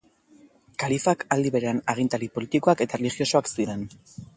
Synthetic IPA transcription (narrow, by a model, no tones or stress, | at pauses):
kalifakald̪iβe̞ɾe̞anaɣ̞int̪alipo̞lit̪iko̞ake̞t̪arelixjo̞so̞aksiɾe̞n